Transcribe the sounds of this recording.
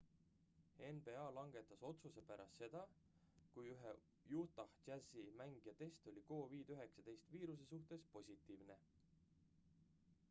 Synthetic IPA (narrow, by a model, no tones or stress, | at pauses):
e̞nb̥eɑːlɑŋɡ̥e̞t̪ːˑɑso̞t̪suse̞pæɾʔɑ̰st̪se̞d̪̥ɑ | kujyɦe | juːt̪ˑɑht̪æzimæŋɡ̥jɑt̪e̞st̪o̞lʲiko̞ːviːd̪yɦe̞ksɑd̪e̞jst̪viːɾus̬e̞suht̪e̞spo̞sʲit̪ːˑiːvne̞